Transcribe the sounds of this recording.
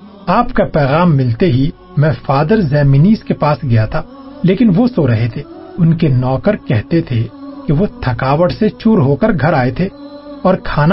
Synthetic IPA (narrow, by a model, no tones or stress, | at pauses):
aːpkapɛːɣaːmːɪlt̪eɦi | mɛ̃faːd̪əɾzɛːminiːzkepaːsɡɐjat̪ʰaː | leːkɪnʋosoɾɐɦet̪ʰeː | ʊnkenɔːkəɾkɛɦt̪et̪ʰekeʋot̪ʰɐkaːʋəʈset͡ʃuːɾɦoːkəɾɡʱɐɾaːet̪ʰe | ɔːɾkʰaːna